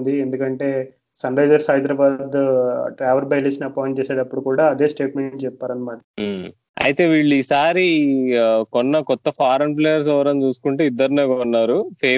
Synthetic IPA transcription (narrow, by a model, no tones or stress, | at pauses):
nd̪iend̪ukɐɳʈe̞ː | sɐnɾɐjd͡ʒɐɾsɦɐjd̪ɾaːbaːd̪ʈɾaːʋɐɾbɐjliʃnɐpɔːjɳʈt͡ʃɛːseːɽɐpːuɽukuːɽaːɐd̪e̞ːsʈe̞ːʈmeɳʈt͡ʃɛpːaːɾɐnːɐmaːʈɐ | ɐ̰jit̪e̞ːʋiːɭːuiːsaːɾi | kɔnːɐkɔt̪ːɐpʰaːɾɐnp̬leːjɐɾs̬ɛʋɐɾɐnt͡ʃuːsu̥kuɳʈeːid̪ːɐɾneːɡaunːaːɾupʰeː